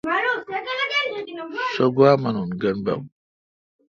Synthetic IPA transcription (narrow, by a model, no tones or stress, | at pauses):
soɡwaːmɐnunɡɐnbɐ̰m